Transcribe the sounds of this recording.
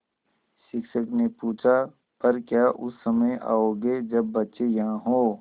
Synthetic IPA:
ʃɪkʃəknepuːt͡ʃʰa | pɐɾkjaːʔʊsːəməja̰ːoːɡed͡ʒɐbːɐtːʃejɐɦãɦoː

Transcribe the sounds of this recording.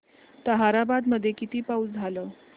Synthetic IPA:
t̪əɦaɾabad̪məd̪ʱːjekit̪iːpaut͡sd͡zʱaləː

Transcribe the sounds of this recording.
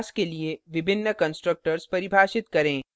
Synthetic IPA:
skelieʋɪbʱɪnːəkɐ̃nsʈɾək̚ʈəɾzpɐɾɪbʱaːʃɪt̪kɐɾẽː

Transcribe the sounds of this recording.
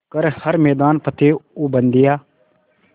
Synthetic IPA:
kəɾhəɾmɛːd̪aːnpət̪ʰeːuːbənd̪ɪjaː

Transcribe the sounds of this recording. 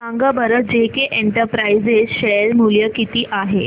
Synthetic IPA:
sãŋɡəbəɾəd͡ʑekeʔeɳʈəɾpɾaizesɕelmuljəkit̪iːʔaɦe

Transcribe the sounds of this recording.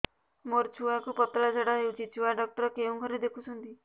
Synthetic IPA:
moɾt͡ʃʰuakupɔt̪ɾad͡ʒɔɽɔjud͡ʒit͡ʃʰuwaɖɔk̚t̪ɔɾɔkeũɡʱɔɾed̪ekʰusʰunt̪i

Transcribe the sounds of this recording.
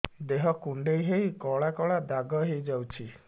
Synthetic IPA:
d̪eɦɔkuɳɖejɦeɦikɔɭakɔɭad̪aɡɔɦejd͡ʒawt͡ʃʰi

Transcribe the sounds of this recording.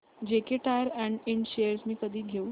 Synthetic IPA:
d͡ʑekeʈajəɾɛ̃ɳɖɪ̃nɖʃeəɾsmiːkəd̪ʱiːɡʱeu

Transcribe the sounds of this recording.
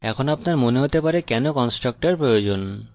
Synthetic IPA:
ɛkʰonapnaɾmoneɦot̪epaɾekɛnokɔnsʈɾak̚ʈaɾpɾojod͡ʑon

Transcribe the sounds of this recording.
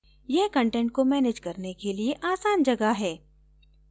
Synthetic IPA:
jɛɦkɐ̃ɳʈɛ̃ɳʈ̚komɛːneːd͡ʒkɐɾnekelieʔaːsaːnd͡ʒɐɡaɦɛː

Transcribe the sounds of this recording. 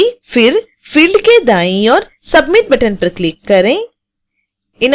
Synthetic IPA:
fɪɾ | fiːlɖked̪aːĩɔːɾ | sɐbmɪʈ̚bɐʈənpɐɾklɪkːɐɾẽː | ɪn

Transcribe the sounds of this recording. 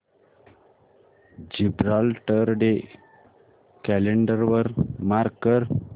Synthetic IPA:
d͡ʑibɾalʈəɾɖe | kæleɳɖəɾʋəɾmaɾɡ̚kəɾ

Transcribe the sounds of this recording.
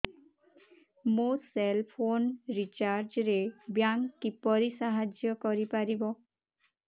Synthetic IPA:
moselpʰonɹit͡ʃaɾd͡ʒɾebjaŋːipɔɾisaɦad͡ʒjɔkɔɾipaɾibɔ

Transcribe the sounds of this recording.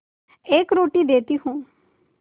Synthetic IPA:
ekɾoːʈiːd̪eːt̪iːɦũː

